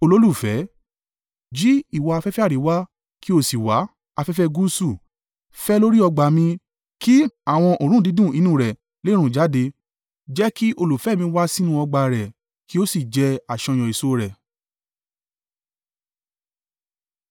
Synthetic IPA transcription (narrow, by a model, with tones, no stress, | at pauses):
o˧lo˦lu˦˨fɛ˨˦ | d͡ʒi˦i˦˨wa˧a˧fɛ˦fɛ˦a˦˨ɾi˨˦wa˦ | ki˦o˦˨si˨wa˨˦ | a˧fɛ˦fɛ˦ɡu˦su˦˨ | fɛ˦lo˦ɾi˦ɔ˧ɡ͡ba˧˨mĩ˧ | ki˦a˦˨w̃ɔ̃˧ʔo˨ɾ̃ũ˦˨di˨˦dũ˦˨i˧nũ˦˨ɾɛ˨ | le˦ɾ̃ũ˦˨d͡ʒa˨˦de˧ | d͡ʒɛ˦ki˦ʔo˧lu˨fɛ˦mĩ˧˦wa˦si˦nũ˦ɔ˧ɡ͡ba˧ɾɛ˨ | ki˦o˦si˦˨d͡ʒɛ˧a˨ʃɔ̃˧j̃ɔ̃˨i˨so˦ɾɛ˨